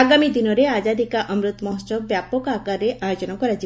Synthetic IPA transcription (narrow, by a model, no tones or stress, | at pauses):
aɡamid̪inɔɾead͡ʒad̪ikaʔɔmɾut̪ɔmɔɦɔsɔbbjapɔkakaɾeʔajod͡ʒɔnakɔɾat͡ʃi